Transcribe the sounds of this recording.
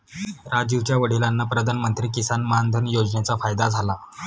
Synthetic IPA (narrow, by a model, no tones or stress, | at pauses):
ɾad͡ʑiʋt͡ɕjaʋəɽ̤ilanːapɾəd̪ʱanmənt̪ɾiːkisanmnd̪ʱənjod͡znet͡safajd̪ad͡zʱala